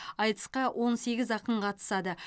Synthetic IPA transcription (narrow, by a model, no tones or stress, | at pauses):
ɑjt̪ə̥sqɑwʔo̞nse̞ɡʲɪzɑqəmqʰɑt̪ə̥sɑd̪ə